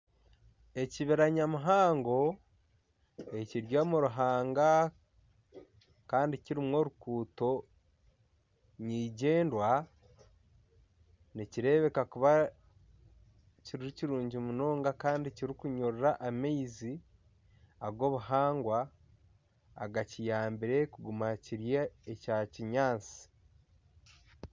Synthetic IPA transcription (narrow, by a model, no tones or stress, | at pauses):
e̞ciβiɾaɲamuɦaːŋɡo̞ | e̞ciɾɟoːmuɾuɦaːŋɡa | kaːndiciɾimo̞ɾukuːto̞ | ɲiːɟe̞ːndwa | niciɾe̞ːβe̞kakuβa | ciɾiɾiciɾuːɲɟimuno̞ːŋɡakaːndiciɾikuɲoɾɾaʔamejzi | aβɡo̞ːβuɦaːŋɡwa | ɡacijaːmbiɾe̞kuɡumaciɾjeːcaːciɲaːnt͡si̥